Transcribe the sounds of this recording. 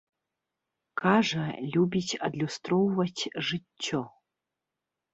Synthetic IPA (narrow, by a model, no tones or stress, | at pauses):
kaʐɐlʲubʲit͡sʲɐ̰d̪lʲust̪rɔwvɐt͡sʲʐɨːɔ